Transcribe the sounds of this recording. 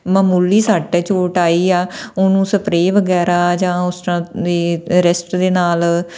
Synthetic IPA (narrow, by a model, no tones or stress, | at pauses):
maːmuːliːsaːʈeːt͡ʃoːʈaːiːaːʊnũːsəpɾeːʋəɡɛːɾaːd͡ʒãːʊsãːd̪eːɾɪsʈd̪eːnaːl